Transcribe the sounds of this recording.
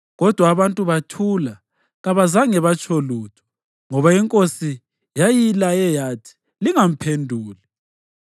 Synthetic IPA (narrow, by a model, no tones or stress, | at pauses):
ɣɔd̥ʱwaːβantʼuβatʰula | ɣaβazaŋɛβat͡ʃʰʼoluːtʰu̥ | ŋɔβaiŋkʼosi | jajilajɛjatʰi̥ | liŋam̩pʰendʱuːli